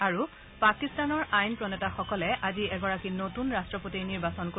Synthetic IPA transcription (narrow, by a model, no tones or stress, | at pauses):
aɹu | pakistanɔɹʔajnpɹɔnɛtaxɔkɔlɛʔaziɛɡɔɹakinotunɹastɹɔpotiniɹbasɔnko